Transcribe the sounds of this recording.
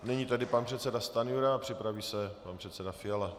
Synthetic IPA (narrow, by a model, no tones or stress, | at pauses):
nɛɲiːt̪adɪpanpr̥ɛt̪sɛdast̪anɪjuɾaːpr̥ɪpɾaviːsɛpanpr̥ɛt̪sɛdafɪjala